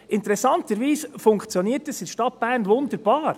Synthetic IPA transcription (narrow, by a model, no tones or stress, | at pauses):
ʔɪntɾɛsɑntəɾʋiːsfʊŋkt͡sjɔniːəɾtɛsɪdʃtɑt̚b̥æːɾnʋʊnd̪əɾb̥ɑːɾ